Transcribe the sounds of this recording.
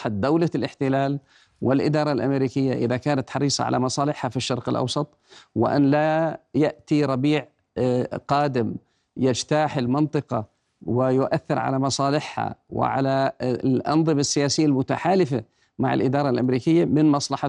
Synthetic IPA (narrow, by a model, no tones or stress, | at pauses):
ħad̪awlalʔɪħt̪ɪlaːl | wɪlʔɪd̪ɑːɾˤɑlʔamɾiːkɪjːaʔɪðakaːnat̪ħɑɾiːsˤɑ̰ʕa̰lʔa̰mɑsˤɑːlɪħhafiʃːɑɾˤqɪlʔɑ̰wsˤɑt̪ˤwɪ̰ʔa̰nːlajaʔt̪iɾˤɑbiːʕ | qɑːd̪ɪm | jɪd͡ʒt̪aːħɪlmɪnt̪ˤɨqɑ̰ | wɪjʊʔaθːɪɾʕa̰lamɑsˤɑːlɪħha̰wɪ̰ʕa̰laʔɑ̰nðˤɨmasːɪjaːsɪjːalmʊt̪aħaːlɪfa | maʕa̰lʔɪd̪ɑːɾˤɑlʔamɾiːkɪjːamɪnmɑsˤlɑħa